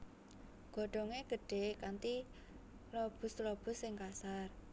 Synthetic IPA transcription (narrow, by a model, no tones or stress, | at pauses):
ɡ̥ɔ̤ɖ̥ɔ̤ŋeɡ̥ə̤ɖ̥e̤kant̪i | lob̥ʊ̤slob̥ʊ̤sːɪŋkasar